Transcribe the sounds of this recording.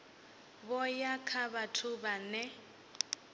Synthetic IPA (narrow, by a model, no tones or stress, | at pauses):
bɔjakʰaβatʰʊbanɛ